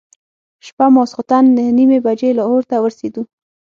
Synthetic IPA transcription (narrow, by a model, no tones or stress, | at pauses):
ʃpamɑsqʊt̪anːəhnimebad͡ʒelaoɾt̪awəɾsed̪u